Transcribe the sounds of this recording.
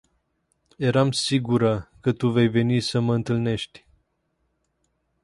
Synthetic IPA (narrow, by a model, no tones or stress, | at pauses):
je̞ɾamsiɡuɾəkət̪uve̞jve̞nisəməɨnt̪ɨlne̞ʃt̪ʲ